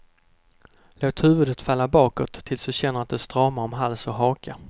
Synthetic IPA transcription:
loːt̪hʉ̟ːvɵd̪ət̪falːabɑːkɔt̪ʰːɪlsd̪ɔɕɛnːəɾat̪̚d̪ɛst̪ɾɑːmaɾɔmɦalsɔɦɑːkʰa

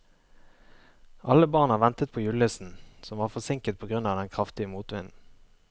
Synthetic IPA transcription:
ʔɑləbɑːʁnɑːʋɛnt̪ət̪̚pʰoːjʉləsn̩sɔmʋɑːʁfɔsɪŋkət̪̚pʰoːɡʁʉnɑːd̪ɛnkʰʁɑft̪ɪəmuːt̪ʋɪnn̩

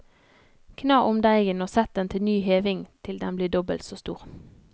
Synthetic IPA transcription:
kʰnɑːʔʊmd̪æɪɡənoːsɛt̪̚d̪ɛnt̪ʰɪlnyːɦeːʋɪŋt̪ʰɪld̪ɛmbliːd̪ɔbə̰lt̪soːst̪ṵːʁ

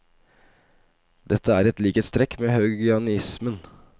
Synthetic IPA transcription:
d̪ɛt̪ʰːəæːɾɛt̪liːkət̪st̪ɾɛkːmeːhɑʉɡʏɑnɪsmən

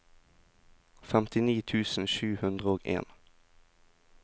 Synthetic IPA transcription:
fɛmt̪ɪniːt̪ʰʉːsn̩ʃʉːhʉnd̪ʁəoːɡḛːn

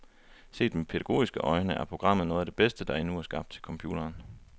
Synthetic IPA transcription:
se̝̰ːd̥mepʰeɾ̥æɡ̥o̝̰ːisɡ̥əʔɒ̽ɪnəʔæɐpʰʁo̝ɡ̥ʁɑ̈m̰ð̩ˠnɔ̽ːð̩ˠæd̥e̝b̥esd̥əd̥ɑ̈enuæɐsɡ̥ɑ̈b̥d̥t͡sʰe̝lkʰɒ̽mpʰjṵːɾ̥ɐːn

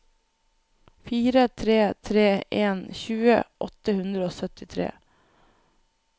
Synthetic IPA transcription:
fiːɾət̪ʰɾeːt̪ʰɾeːʔeːnçʉːə̰ʔɔt̪əhʉnd̪ɾəoːsœt̪ɪt̪ʰɾḛː

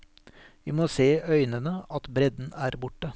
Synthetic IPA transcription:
ʋiːmoːseːœʏnənəɑt̪bɾɛd̪n̩æːɾbʊʈːə

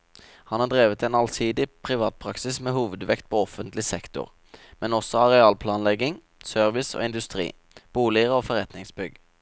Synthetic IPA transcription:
hɑnhɑːd̪ʁeːʋət̪ʰeːnɑlsiːd̪ɪpʰʁɪʋɑːt̪̚pʰʁɑksɪsmeːhuːʋəd̪ʋɛkt̪̚pʰoːɔfənt̪lɪsɛkt̪ʊ̰ʁ | mɛnɔsɔɑʁɛɑːlpʰlɑːnlɛɡɪŋ | sœʁʋɪso̰ːɪnd̪ʉst̪ʁḭː | b̥uːlɪəʁəoːfɔʁɛt̪nɪŋsbʏɡ

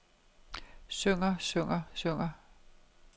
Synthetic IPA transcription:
søŋɐsøŋɐsøŋɐ

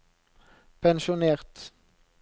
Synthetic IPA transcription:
pʰɛnʃʊneːʁt̪

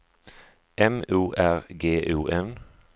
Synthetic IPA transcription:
ʔɛmʉːʔæʁɡeːʔʉːʔɛn

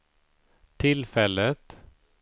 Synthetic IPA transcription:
t̪ʰɪlfɛlːət̪

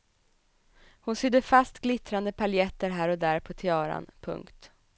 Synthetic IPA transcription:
hʊnsʏd̪ːəfast̪ɡlɪt̪ɾand̪əpʰaljɛt̪ːəɾɦæːɾɔd̪æːɾpʰɔt̪ʰɪɑːɾa̰npʰɵ̰ŋkt̪

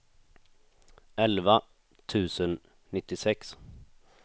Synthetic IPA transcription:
ɛlva | t̪ʰʉ̟ːsənː | ɪt̪ːɪsɛks

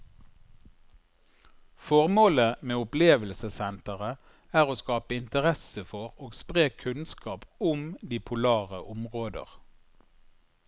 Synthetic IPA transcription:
fɔʁmoːləmeːʊpleːʋəlsəsɛnt̪əʁə | æːʁoːskɑːpəɪnt̪əʁɛsəfɔʁoːɡspʁeːkʰʉnskʰɑːpʊmd̪iːpʰʊlɑːʁəʔʊmʁoːd̪ə̰ʁ

